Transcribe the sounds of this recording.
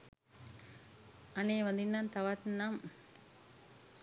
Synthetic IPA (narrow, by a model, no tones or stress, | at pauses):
ɐneːʋɐnd̪inːaːnt̪aʋɐt̪nam